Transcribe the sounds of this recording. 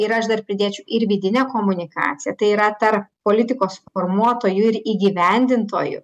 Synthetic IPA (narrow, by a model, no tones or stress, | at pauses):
ɪɾɐɐʃd̪ɐrpʲɾʲɪd̪ʲeːt͡ʃʲɛʊʔɪɾʋʲid̪ʲɪnʲɛkoːmʊnʲɪkɑ̰ːt̪sʲɪjɛt̪ɐɪiːɾɐt̪ɐrppoːlʲɪt̪ʲɪkoːsfoːrmuɔt̪oːjʊɪɾiːɡʲiːʋʲɛnʲd̪ʲɪnt̪o̰ːjʊ̰